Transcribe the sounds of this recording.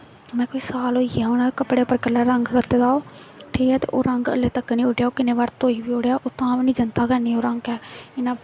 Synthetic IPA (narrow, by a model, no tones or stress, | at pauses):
mɛ̃ːkoːiːsaːloːiaːonãkəpɽeːpəɾkəlːəːɾəŋɡkət̪ːeːd̪aːoː | ʈʰiːkɛːt̪ḛːʔo̰ːɾəŋɡə̰lːeːt̪əkːnĩːʊɖjaːoːkɪneːʋaɾt̪oːiːʋiːoɽjaːʔoːt̪ãːʋnĩːd͡ʒənt̪aːkəniːoːɾəŋɡɛːɪnãː